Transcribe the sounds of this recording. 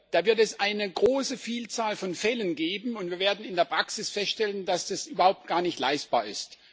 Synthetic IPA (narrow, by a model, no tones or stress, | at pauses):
d̥aːvɪɐtɛsʔaɪnəɡʁoːsəfiːlt͡saːlfɔnfɛlənɡeːbm̩ʊntv̥iːɐveːɐdn̩ɪndeːɐpʁ̥aksɪsfɛstʃtɛlənd̥asd̥asʔyːbɐhaʊp̚t̚ɡ̥aːɐnɪçtla̰ɪst̚b̥a̰ːɐɪ̰st